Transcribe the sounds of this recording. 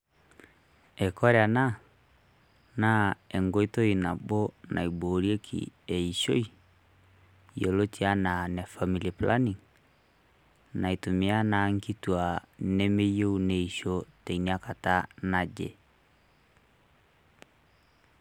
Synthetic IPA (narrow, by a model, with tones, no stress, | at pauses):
ɛ˨kɔ˦ɾɛa˨na˦ | na˦ɛ˨ŋɡo˨˦i˦to˦i˨na˨bo˦nʔa̰˨i˨bo˨ɾi˦e˦kʰḭ˨ɛ˨i˨ʃo˦i˦ | jo˨lo˦ti˦a˦na˨nɛ˨fa˨mi˨li˨pla˦ni˨ŋ | na˨i˨to˨mi˨˦a˦na˨ŋ˦ki˦twa˨ne˦me˦jo˦u˨ne˨i˨ʃo˦tɛ˨i˨nia˦ka˨ta˦na˨d͡ʒḛ˨